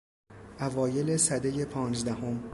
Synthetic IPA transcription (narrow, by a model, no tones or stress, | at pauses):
ʔævɒːje̞le̞sæd̪eje̞pʰɒːnzd̪æhom